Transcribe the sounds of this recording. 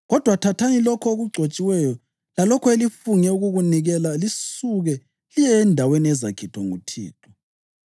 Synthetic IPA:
ɣɔd̥ʱwatʰatʰanilɔkʰoɣuɡ͡ǀʱot͡ʃʼiwɛjɔ | lalɔkʰɔelifuŋɛuɣuɣuniɣɛlalisuɣɛ | lijɛːndʱaweniɛzakʰitʰɔŋutʰḭːtʰʼɔ̥

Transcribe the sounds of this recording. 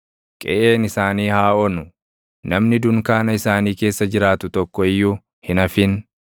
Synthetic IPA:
kʼɛ̰ʔeːnɪsaːniːhaːʔɔnʊ | nɐmnɪd̪ʊŋkaːnɐɪsaːniːke̞ːsːɐd͡ʒɪɾaːt̪ʊt̪ɔkːɔɪjːʊ | hɪnɐfɪn

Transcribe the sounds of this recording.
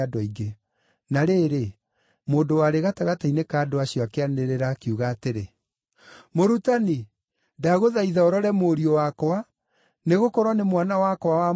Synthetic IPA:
adɔiɡe | naɾeːɾe | moːndowaɾeɣataɣatainekaːdoaɕjɔakeaneɾeɾakiuɣaːteɾe | moɾutani | daɣoðaiðɛɔɾɔɾɛmoɾiɔwakɔa | neɣokɔɾwɔnemwanawakɔwawa

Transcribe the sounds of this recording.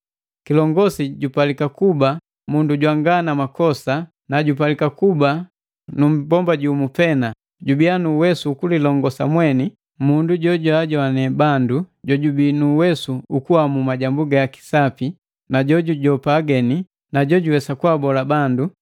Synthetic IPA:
kilɔŋɡɔsiɟupalikakuba | munduɟwaŋɡanamakɔsa | naɟup̬alikakuba | num̩bɔmbaɟuːmupɛna | ɟubianuːwɛsuːkulilɔŋɡɔsamwɛni | munduɟɔɟwaɟɔanɛbanduɟɔɟubinuwɛsuukuamumaɟambuɡajaki̥sapi | naɟɔɟuɟɔpaːɡɛni | naɟɔɟuwɛsakuabɔlabandu

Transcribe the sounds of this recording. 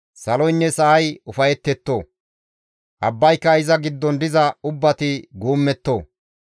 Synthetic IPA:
sɐlɔjnːɛsɐʔɐjʊfɐjɛt̪ːɛt̪ːoː | ʔɐbːɐjkːɐɪzɐɡɪd̪ːɔnd̪ɪzɐʊbːɐt̪ɪɡuːmːɛt̪ːo̰ː

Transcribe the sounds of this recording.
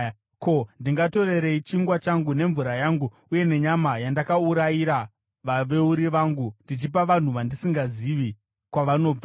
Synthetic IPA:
ko̞ndiŋɡato̞re̞ɾe̞it͡ʃiŋɡwat͡ʃaŋɡune̞ɱvuɾajaŋɡu | uje̞ne̞ɲamajandakauɾajiɾa | ʋaʋe̞uɾiʋaːŋɡundit͡ʃip̬aʋan̤uʋandisiŋɡaziʋi | kwaʋano̞ːb͡va

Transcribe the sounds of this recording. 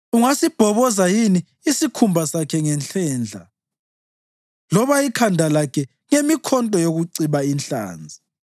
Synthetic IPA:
uŋasib̥ʱɔβɔzajiniː | sikʰumbʱasakʰɛŋɛnɬɛːnd͡ɮʱa̰ | lɔβaikʰandʱalakʰɛ | ŋemikʰɔntʼɔjoɣuǀiβainɬa̰ːnd͡zʱi

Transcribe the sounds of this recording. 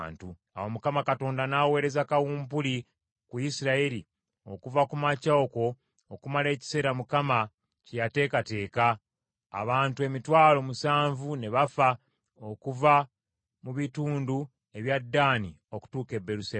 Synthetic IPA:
ntu | a̰womukamakato̞ːndanawe̞ːɾe̞zakawuːmpuli | kujisiɾaeɾi | o̞kuvakumacaoko̞ː | kumale̞ːci̥se̞ːɾamukama | cejate̞ːkate̞ːka̰ː | βaːntue̞mitwaːlo̞musaːɱvune̞βafa | o̞kuva | muβituːndu | e̞βjadːaːni | o̞ku̥tuːke̞bːe̞ɾusa

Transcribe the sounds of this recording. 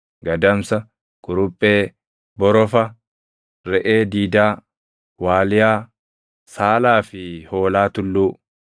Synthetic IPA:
ɡɐd̪ɐmsɐ | ɡ̥ʼʊɾʊpʼːeː | bɔɾɔfɐ | ɾɛʔe̞ːd̪iːd̪aː | waːlɪjaː | saːlaːfɪho̞ːlaːt̪ʊlːuː

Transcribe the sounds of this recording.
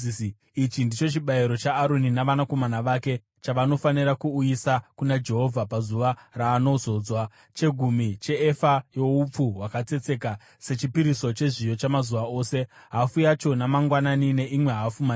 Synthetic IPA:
it͡ʃindit͡ʃo̞t͡ʃiɓaiɾo̞t͡ʃaːɾoninaʋanako̞manaʋaːke̞ | t͡ʃaʋano̞faniɾakuːjisakunad͡ʒe̞ɦo̞vʱapazuʋaraːno̞zo̞d͡zwa | t͡ʃe̞ɡʱumit͡ʃe̞ːfajo̞up͡fuɦwakat͡se̞t͡se̞ka | se̞t͡ʃipiɾiso̞t͡ʃe̞ʐijo̞t͡ʃamazuʋao̞ːse̞ | ɦafujat͡ʃo̞namaŋɡwananine̞ʔimwe̞ɦafuma

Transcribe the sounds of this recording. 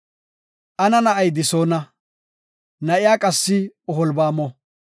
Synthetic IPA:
ʔɐnɐnɐʔɐjd̪ɪsoːnɐ | nɐʔɪjaːkʼɐsːɪɔɦɔlbaːmɔ

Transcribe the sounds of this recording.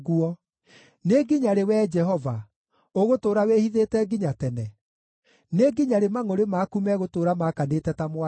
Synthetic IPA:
ɣuɔ | neɡiɲaɾewɛd͡ʒɛɦɔva | oɣotoːɾawehiðetɛɡiɲatɛnɛ | neɡiɲaɾemaŋoɾemaːkumɛɣotoːɾamakanetɛtamwa

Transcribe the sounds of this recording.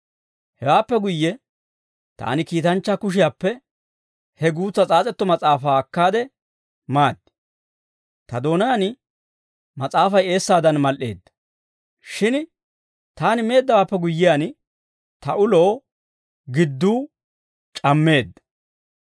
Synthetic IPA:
hɛwaːpːɛɡʊjːɛ | t̪a̰ːnɪkiːt̪ɐnt͡ʃːɐkʊʃ̬ɪjaːpːɛ | hɛɡuːt͡sːɐt͡sʼaːt͡sʼɛt̪ːɔmɐt͡sʼaːfaːkːaːd̪ɛ | maːd̪ːɪ̥ | t̪ɐd̪o̞ːnɐjɐn | mɐt͡sʼaːfɐje̞ːsːaːd̪ɐnmɐlʔḛːd̪ːɐ̥ | ʃɪn | t̪aːnɪme̞ːd̪ːɐwaːpːɛɡʊjːɪjan | t̪ɐʔʊlo̞ː | ɡɪd̪ːuː | t͡ʃʼɐmːe̞ːd̪ːɐ̥

